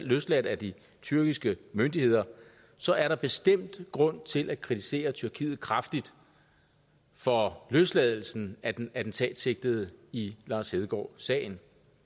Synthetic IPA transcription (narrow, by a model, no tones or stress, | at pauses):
lløslæd̥æd̥i | t͡sʰyɐɡ̥isɡ̥əmønd̥ihe̝ð̰ˠɐ | sɒ̽æɐɾɑ̈b̥e̝sd̥em̰d̥ɡ̥ʁɔ̽n̰t͡sʰe̝lʔæ̥kʰʁit͡sʰise̝̰ːɐt͡sʰyɐkʰḭːð̩ˠkʰʁäfd̥id̥ | fɒ̽løsd̥lɛðˠl̩sn̩æ̥æd̥n̩t͡sʰɛ̰ːd̥se̝ɡ̥̚d̥ð̩ˠəilɑ̈ːshe̝ð̞ˠɡ̥ɒ̰ːsɛ̰ːɪn̩